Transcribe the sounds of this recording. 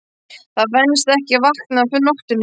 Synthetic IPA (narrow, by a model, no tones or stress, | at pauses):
θaðvɛnst̪ɛhcɪvahknafʏnɔht̪ʏnː